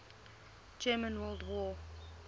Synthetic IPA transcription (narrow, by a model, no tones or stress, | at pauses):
d͡ʒɛmə̃nwɛldwɔ